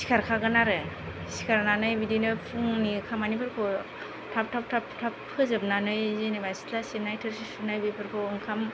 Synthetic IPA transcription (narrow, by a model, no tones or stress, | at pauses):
si̥kʰaɾkʰaɡɯnaɾɯ | si̥kʰaɾnanɯjbidinɯpʰuŋnikʰamanipʰɯɾkʰɔ | tʰap̚tʰap̚tʰaptʰapʰɯzɯb̚nanɯjzinebajsi̥tʰlasim̚najtʰɯɾsisunajbipʰɯɾkʰɔɯŋkʰam